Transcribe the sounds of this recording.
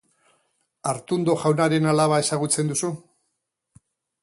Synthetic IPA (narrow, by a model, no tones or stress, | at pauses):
aɾt̪und̪o̞ʝawnaɾe̞nalaβae̞saɣ̞ut͡se̞nd̪usu